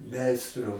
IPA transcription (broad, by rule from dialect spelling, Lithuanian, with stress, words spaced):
ˈmʲɛɪstrʊ